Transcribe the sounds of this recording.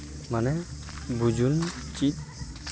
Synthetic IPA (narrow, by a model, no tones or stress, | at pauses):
manɛ | bud͡ʒunt͡ʃit̪̚